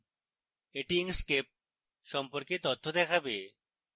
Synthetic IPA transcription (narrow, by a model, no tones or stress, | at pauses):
eʈiŋskep̚ | ʃɔmpoɾket̪ot̪ʰːod̪ɛkʰabe